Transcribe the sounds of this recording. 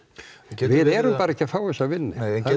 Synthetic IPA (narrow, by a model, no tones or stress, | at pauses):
vɪðɛɾʏmpaːɾaɛcːɪafawɛsavɪnːɪ̰